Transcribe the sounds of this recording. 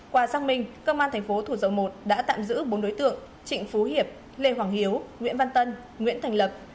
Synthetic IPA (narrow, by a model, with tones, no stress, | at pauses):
kwaː˨˩zaː˧ŋmï˧ŋ̟kə˧wŋ͡mʔaː˧t̪ʰjŋ̟fo˨˦t̪ʰu˧˩zə˨˩wmo˨˩t̚ɗa̰ː˧˥t̪a̰ː˧˨mzɨ̰˧˥ɓo˨˦nɗo˨˦jt̪ɨ̰˧˨əŋ | t͡ɕḭ̈˧˨ŋ̟fu˨˦ɦi˨˩əp̚ | le˧˩ɦwaː˧˩ŋhi˨˦əwŋḭ˧˥ənva˧nt̪ə˧n | ŋwḭ˧˥ənt̪ʰa˨˩jŋ̟lə˨˩p̚